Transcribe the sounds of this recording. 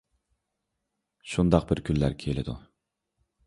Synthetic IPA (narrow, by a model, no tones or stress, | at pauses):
ʃund̪ɑq̚bɪɾkʲʰylːæɾkʲʰelɪd̪ṵ